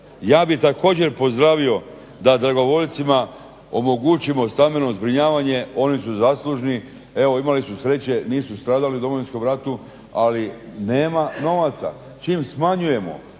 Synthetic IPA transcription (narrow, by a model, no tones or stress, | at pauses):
jaːbit̪ako̞ːd͡ʑe̞ɾpo̞zd̪ɾaʋio̞ | d̪ad̪ɾaɡo̞ʋo̞ʎt̪sima | o̞moɡut͡ɕimo̞st̪ambenozbɾiɲaːʋaɲe̞o̞nisuzaːslˠuʒni | e̞ʋo̞imalisusɾe̞t͡ɕe̞niːsust̪ɾaːd̪aliud̪o̞mo̞ʋinsko̞mɾat̪u | aline̞ːmano̞ʋat̪sa̰ | t͡ʃiːmsmaɲuje̞mo̰